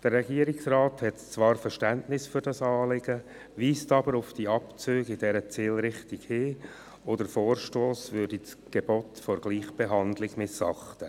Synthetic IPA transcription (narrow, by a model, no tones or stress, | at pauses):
d̥əɾːɛɡiːəɾɪksrɑːthɛtt͡svɑːɾfəɾʃtæntnɪsfyɾdɑsɑːlɪɡ̥ə | ʋiːstɑbəɾʊfd̥iɑpt͡søːɡɪd̥ɛɾət͡siːlɾɪχtɪɡhɪː | ɔdəfoːrʃtoːsvʏrdis | ɡ̥eb̥ɔtfɔɾɡ̥liːχb̥eɦɑndlɪɡ̥mɪsɑχtə